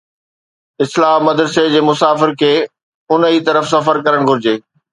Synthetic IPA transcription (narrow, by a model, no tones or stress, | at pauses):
ɪslaːɦmɐd̪ɾəsed͡ʑeːmʊsaːfɪɾkʰeː | ʊnəit̪ɐɾəfsɐfəɾkɐɾəɽ̃ɡʱʊɾɪd͡ʑeː